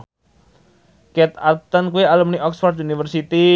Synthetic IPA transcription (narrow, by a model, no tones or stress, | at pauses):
kɛt̪at̪ɔnkuealumniʔɔksfɔrd̪unifərsit̪i